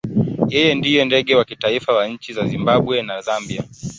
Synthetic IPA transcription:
jɛjɛndijɛndɛɠɛwakitaifawaɲ̩t͡ʃizazimbaɓwɛnazambia

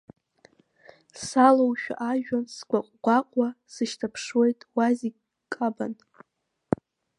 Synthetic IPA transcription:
salowʃᶣa̰ʔaʒᶣansɡʷaqʷʼɡʷaqʷʼwasɨʃtʰapʰʂwe̞jtʼwazi | kʼaba̰n

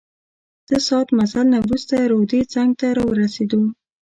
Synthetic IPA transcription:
d̪̥əsɑt̪masalnawɾust̪aɾod̪et͡saŋɡ̚t̪aɾɑwəɾased̪o

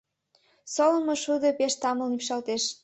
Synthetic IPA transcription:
solə̆moʃud̪ə̆peʃt̪ɑməlnimʃɑlt̪eʃ

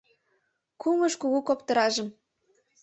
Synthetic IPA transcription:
kumɤʃkuɣukopt̪ɤ̆ɾɑʒə̆m

